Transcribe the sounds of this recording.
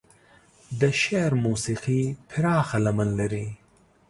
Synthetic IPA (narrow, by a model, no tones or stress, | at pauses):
d̪əʃeɾmuːsiqipʰiɾɑːxɐlɐmənlɐɾi